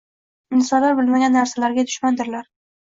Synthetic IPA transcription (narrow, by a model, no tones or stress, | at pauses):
ɪnsɒnlaɾbʊlmaɡʲanːaɾsalaɾɡʲad̪ʊʃmand̪ɪɾlaɾ